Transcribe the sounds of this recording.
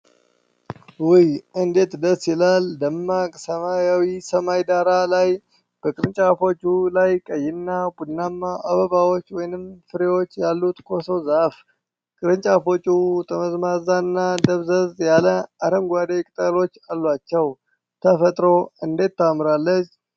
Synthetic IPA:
wijɨnd̪e̞t̪d̪əsɪlald̪əmːakʼsəmajawisəmajd̪aɾalaj | b̥əkʼɨɾɨnt͡ʃʼafo̞t͡ʃʼːulajkʼəjːɪnːabud̪nːamːaʔaβəβawo̞t͡ʃːwɔjnɨmfɨɾewo̞t͡ʃːjalːut̪kʰo̞sowzaf | kʼɨɾɨnt͡ʃʼafo̞t͡ʃʼut̪ʼəməzmazanːad̪əβzəzjaləaɾəŋɡʷad̪ekʼɨt̪ʼəlo̞t͡ʃːalːwat͡ʃːɛw | t̪ʰəfət̪ʼɾo̞ɨnd̪e̞t̪ːamɾalːət͡ʃː

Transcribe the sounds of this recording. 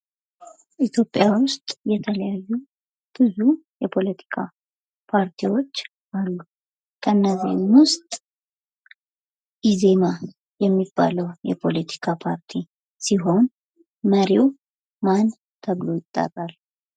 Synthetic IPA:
ʔit̪ʰjo̞pʼːjawʊst̪ʼjɛt̪ʰələjajːu | b̥ɨzujɛpʰo̞lət̪ʰi̥kʰa | pʰaɾt̪ʰiwo̞t͡ʃː | ʔalːu | kʰənːəziɲwʊst̪ʼ | ʔize̞ma | jɛmːib̥ːa̰ləwjɛ̰pʰo̞lət̪ʰi̥kʰapʰaɾt̪ʰi | siɦo̞n | məɾiw | man | t̪ʰəβlo̞jɪt̪ʼːa̰rʼalː

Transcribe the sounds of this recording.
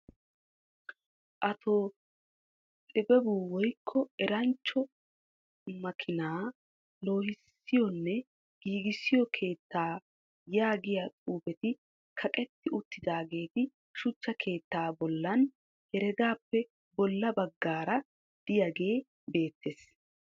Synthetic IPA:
ʔɐt̪ʰo | ʔɪbɛbuːwɔjkʰːɔɛɾɐnt͡ʃːɔ | mɐkʰɪnaː | lo̞ːhɪsːɪjɔnːɛ | ɡ̥iːɡɪsːɪjɔkʰe̞ːt̪ːaː | jaːɡɪjat͡sʼuːbɛt̪ɪ | kʰɐkʼɛt̪ːɪʊt̪ːɪd̪aːɡe̞ːt̪ɪ | ʃʊt͡ʃːɐkʰe̞ːt̪ːaːbɔlːɐn | hɛɾɛɡ̪aːpːɛ | bɔlːɐbɐɡːaːɾɐ | d̪̥ɪjaɡe̞ː | be̞ːt̪ːes

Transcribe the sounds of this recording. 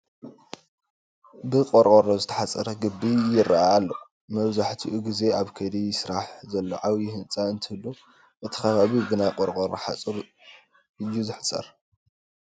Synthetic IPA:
bɨqʼoɾkʼoɾozɨt̪ʰɐ̥ħat͡sʼɐɾɐɡɨbːijɪraaːlːo | mɐβzaħt̪ʰiʔuɡize̞aβkʰɐd̪ijɪsɾaħzɐlːo̞ʕaβjɪhɨnt͡sʼaɨnt̪ʰɨlːu | ʔɨt̪ʰi̥kʰɐβaβiɡɨnakʼoɾqʼoɾoħa̰t͡sʼɨɾ | jːuzɨħsʼɐ̰ɾ

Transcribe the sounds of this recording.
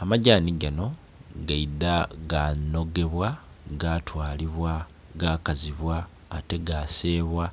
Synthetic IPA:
amaɟaːniɡano̞ | ɡaidaɡano̞ɡe̞βwa | ɡatwaːliβwa | ɡaːkaziβwaː | te̞ɡase̞ːβwa

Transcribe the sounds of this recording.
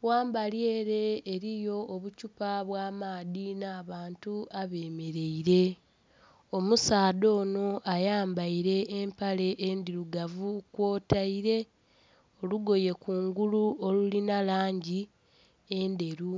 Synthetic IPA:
waːmbalje̞ːɾe̞ːɾijo̞ːβucupaβwaːmaːðinaːβaːntuaβe̞ːme̞ɾe̞iɾe̞ | omusaːdo̞ːno̞ʔajaːmbaiɾe̞ːmpale̞ʔendiɾuɡavukwo̞ːtaiɾe̞ | o̞luɡo̞je̞kuːŋɡuluo̞lulinalaːɲɟi | e̞nde̞ɾu

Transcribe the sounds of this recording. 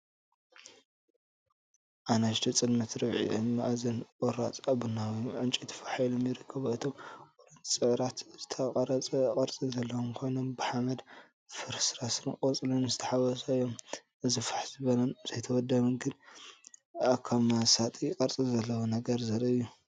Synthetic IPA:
ʔanɐʃt̪ʰit͡sʼɨd̪mɐt̪ɾɨβʕḭɨ̰ma̰ʔzɐnʔʼɔɾat͡sʼaβɨnːawiʕɨnt͡ʃʼit̪ʰɐ̥faħjlomjɪɾɨkʰːɐβɨt̪ʰomoɾɐnʰsʼɨʕɾat̪zɨt̪ʰɐkʼɐɾɐt͡sʼɐkʼɐɾt͡sʼizɐlːɐwmkʰo̞jno̞mbɨħamɐd̪ | fɨɾsɾasɨnɨkʼɐt͡sʼɨlunɨzɨt̪ʰɐħawɐsɐɨjːom | ʔɨzifḁħzɨβɐlɐnz̥ɐjt̪ʰɐwɔd̪ːɐβɨnɡɨn | ʔakʰamasat̪ʼikʼɐɾt͡sʼizɐlːɐwunɐɡɐɾzɐɾɐɨjːu

